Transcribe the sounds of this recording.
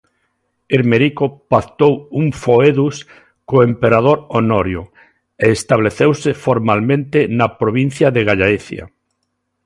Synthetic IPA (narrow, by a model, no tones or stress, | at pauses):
iɾmeɾikopakt̪owuŋfoeðus | koempeɾað̞oɾonoɾjo̰ | eːst̪aβleθewsɪfoɾmalmẽnt̪ɪnapɾoβin̟θjaðeɣaʎaiθja̰